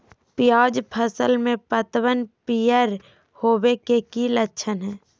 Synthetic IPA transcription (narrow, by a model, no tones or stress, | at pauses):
pɪjaːd͡ʒpʰəsəlmẽpət̪wənpijəɾ | hoːbekekilətːʃʰənɦɛː